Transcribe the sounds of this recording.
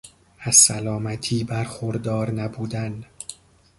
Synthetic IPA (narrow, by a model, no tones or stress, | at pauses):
æzsælɒːmæt̪ʰiːbæɾxoɾd̪ɒːɾnæbuːd̪æn